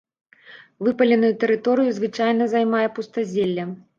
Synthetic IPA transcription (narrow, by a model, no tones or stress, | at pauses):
vɨpɐlʲɛnujut̪ɛɾɨt̪ɔɾɨjuzvɨt͡ʂajnɐzajmajɛpust̪ɐzʲelʲːɐ